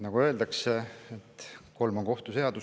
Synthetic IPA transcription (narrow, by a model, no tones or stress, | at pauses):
nɑɡ̥uø̞ld̪̥ɑkseet̪ːko̞lmo̞ŋko̞ht̪use̞ɑd̪̥u